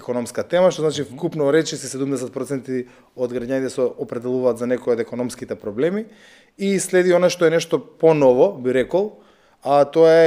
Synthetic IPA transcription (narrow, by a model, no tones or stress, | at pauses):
ɛkonɔmskat̪ɛmaʃt̪oznat͡ʃifkupnɔɾɛt͡ʃisɛsɛd̪umd̪ɛsɛt̪̚pɾot̪sɛnt̪i | od̪ɡɾaɟanit̪ɛsɛopɾɛd̪ɛlˠuvaːt̪zanɛkojod̪ɛkonɔmskit̪ɛpɾɔblɛmi | islɛd̪ionaʃt̪ɔɛnɛʃt̪ɔponɔvɔbiɾɛkɔlˠ | at̪oaɛ